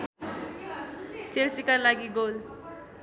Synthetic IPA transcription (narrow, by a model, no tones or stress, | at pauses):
t͡ʃesikalaɡiɡol